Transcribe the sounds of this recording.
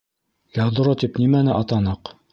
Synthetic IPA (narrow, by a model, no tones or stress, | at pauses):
jɑd̪ŏɾot̪ipnimænɘʔɑt̪ɑnɤq